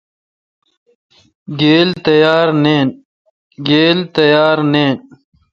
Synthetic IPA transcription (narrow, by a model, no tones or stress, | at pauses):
ɡeːlt̪ɐjaːɾneːn | ɡeːlt̪ɐjaːɾneːn